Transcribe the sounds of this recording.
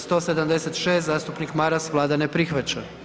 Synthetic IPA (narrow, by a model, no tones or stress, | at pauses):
st̪o̞ːsed̪amd̪e̞set̪ʃe̞ːst̪zaːst̪upnikmaɾasʋlˠaːd̪anepɾixʋat͡ɕa